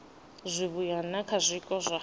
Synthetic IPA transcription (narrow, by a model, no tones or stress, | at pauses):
zʷiβujanakʰazʷikʼɔzʷa